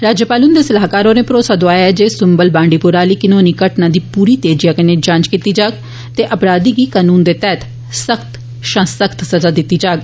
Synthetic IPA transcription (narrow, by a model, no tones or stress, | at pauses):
ɾaːd͡ʒjəpaːlʊnd̪eːsəlaːɦkaːɾoːneːpɾoːsaːd̪oaːjɛd͡ʒeːsʊmbəlbãːɳɖiːpʊɾaːliːkɪnoːniːkəʈnaːd̪iːpuːɾiːt̪eːd͡ʒijaːkəneːd͡ʒãːnt͡ʃkit̪iːd͡ʒaːɡ | t̪eːʔəpɾaːd̪iːɡiːkaːnuːnd̪eːt̪ɛːt̪ʰ | səkt̪ | ʃə̃səkt̪səzaːd̪ɪt̪ːiːd͡ʒaːɡ